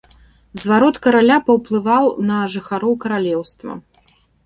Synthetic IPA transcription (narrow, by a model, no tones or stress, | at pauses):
zvaɾɔt̪kɐɾalʲapɐwplˠɨvawnɐʐɨxaɾɔwkɐɾalʲɛwst̪vɐ̰